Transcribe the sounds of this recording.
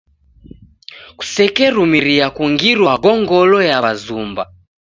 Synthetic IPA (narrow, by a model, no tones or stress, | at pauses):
ku̥sɛkɛɾumiɾiakuŋɡiɾwaɡɔŋɡɔlɔjaβazumba̰